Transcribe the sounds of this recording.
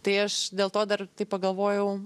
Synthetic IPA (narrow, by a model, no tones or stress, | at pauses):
t̪ɐɪɐʃdʲeːlˠt̪oːd̪ɐrt̪ɐɪpɐɡɐlˠʋoːjɛʊ